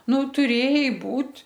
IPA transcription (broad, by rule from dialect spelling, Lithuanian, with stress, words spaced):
ˈnʊ tʊˈrʲeːjɛɪ ˈbuːtʲ